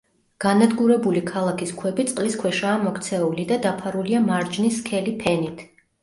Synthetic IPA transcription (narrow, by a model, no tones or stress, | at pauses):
ɡ̥anad̪ɡuɾɛbulikʰalˠakʰiskʰwɛbit̪sʼqʼliskʰwɛʃaːmɔkʰt̪sʰɛulid̪ad̪apʰaɾuliamaɾd͡ʒniskʰɛlipʰɛnit̪ʰ